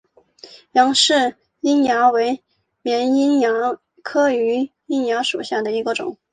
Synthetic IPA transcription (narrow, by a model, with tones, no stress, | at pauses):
jɑ˧˥ŋʂɻ̩˥˩ | i˥nja˧˥we˧˥ɪ | mjɛ˧˥ni˥njɑ˧˥ | kʰɤ˥y˧˥ | i˥nja˧˥ʂu˨˩ɕja˥˩d̪ə˩i˧˥ɡə˧ʈ͡ʂʊ̰˨˩˦ŋ